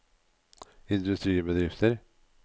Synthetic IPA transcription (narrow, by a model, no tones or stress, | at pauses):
ɪnd̪ʉst̪ɾiːbəd̪ɾɪft̪ʰəɾ